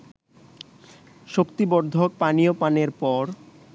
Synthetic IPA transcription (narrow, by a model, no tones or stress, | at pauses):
ʃokt̪ibɔɾd̪ʱok̚panijopaneɾpɔɾ